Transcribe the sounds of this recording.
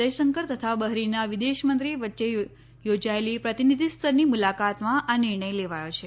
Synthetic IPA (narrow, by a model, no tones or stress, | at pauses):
əjsəŋkəɾt̪ət̪ʰabəɦɾinaʋid̪eʃmənt̪ɾiʋətːʃe | jod͡ʒaelipɾət̪inid̪ʱist̪ʰəɾnimulakat̪mãʔanɪɾɳ̃əjleʋajot͡ʃʰe